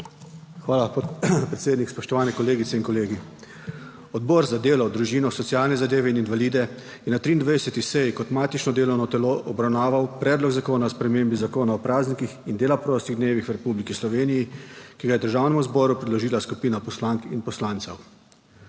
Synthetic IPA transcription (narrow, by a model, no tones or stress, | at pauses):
xʋaːlapɾɛt̪seːd̪nikspɔʃt̪ɔʋaːnɛkɔleːɡit̪ɛinkɔleːɡi | ɔd̪bɔːɾzad̪eːlɔd̪ɾuʒiːnɔsɔt̪siaːlnɛzad̪eːʋɛininʋaliːd̪ɛ | jɛnat̪ɾiːnd̪ʋajdɛsɛt̪isɛjkɔt̪maːt̪it͡ʃnɔd̪eːlɔwnɔt̪ɛloʔɔbɾawnaːʋawpɾɛːd̪lɔɡzakoːnaspɾɛmeːmbizakoːnaɔpɾaːznikixind̪eːlapɾɔːst̪iɣd̪neːʋixwɾɛpuːblikislɔʋeːnijikiɡajɛd̪əɾʒaːwnɛmuzbɔːɾupɾɛd̪lɔʒiːlaskupiːnapɔslaŋkinpɔslaːnt̪saw